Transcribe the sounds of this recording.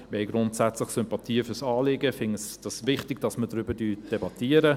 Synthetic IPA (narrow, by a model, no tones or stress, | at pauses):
əhɛɪjɡɾʊntsæt͡slɪχsʏmpɑtʰiːfʏsɑːlɪɡəfɪŋəsd̥ɑsvɪχtɪɡd̥ɑsmədɾʏbədyːd̥ɛbɑtiəɾə